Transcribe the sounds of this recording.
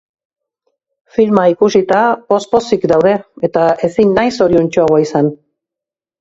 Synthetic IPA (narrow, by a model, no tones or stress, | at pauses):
filmaikusit̪apo̞spo̞sikd̪awðe̞et̪ae̞sinːajso̞ɾiunt͡ʃo̞aɣoaisan